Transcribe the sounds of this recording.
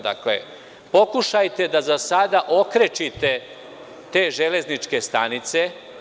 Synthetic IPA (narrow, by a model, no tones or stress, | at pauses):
d̪a̰klḛ | po̞kuʃajt̪e̞d̪azasad̪aʔo̞kɾet͡ʃit̪e̞ | t̪e̞ːʒele̞znit͡ʃke̞st̪anit̪se̞